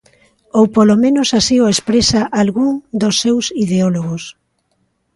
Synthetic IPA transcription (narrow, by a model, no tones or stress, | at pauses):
owpolomẽnosasioespɾesaʔalɣuŋd̪osːewsiðeoloɣos